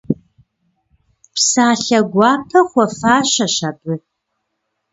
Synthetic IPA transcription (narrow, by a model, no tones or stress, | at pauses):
psaːɬɐɡʷɑːpʰɐχʷɔfaːɕɐɕabɨ